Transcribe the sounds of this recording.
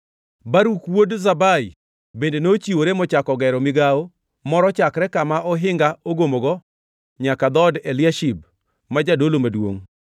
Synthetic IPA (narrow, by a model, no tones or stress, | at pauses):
baɾukwodzabai | bendenot͡ʃiwoɾemɔt͡ʃakɔɡɛɾɔmɪɡao | mɔɾɔt͡ʃakɾɛkamaʔɔɦɪŋɡaoɡomoɡɔ | ɲakad̪ɔdɛlɪaʃib̚ | mad͡ʒadolomadwo̰ŋ